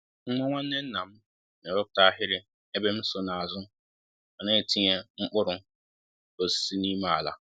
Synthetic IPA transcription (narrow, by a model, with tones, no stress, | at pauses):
ŋ̩˦ŋʷa˦ŋʷa˦n̩˦ne˦n̩˦na˨m̩˦ | ne˨bo˦kʊ̥˨ta˦a˦ɦɪ˦ɾɪ˦ | e˦be˦m̩˦so˨na˨a˨zʊ˦ | a˨ne˦˨ti˦ɲe˦ŋ͡m̩˦k͡pʊ˦ɾʊ˦ | o˨si̥˨˦si˦ni˦ma˦a˨la̰˨